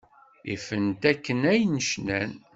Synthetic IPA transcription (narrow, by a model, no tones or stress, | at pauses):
ifənt̪ækːənæjnəʃnæn